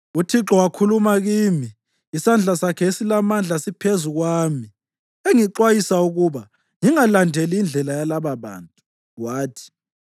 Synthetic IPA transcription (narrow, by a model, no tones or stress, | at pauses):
utʰiǁɔwakʰulumaɣiːmiː | sand͡ɮʱasakʰɛesilamand͡ɮʱasipʰezuɣwaːmi | eŋiǃwajisauɣuβa | ŋiŋalandʱeliːnd͡ɮʱɛlajalaβaβa̰ːntʼu | waːtʰi̥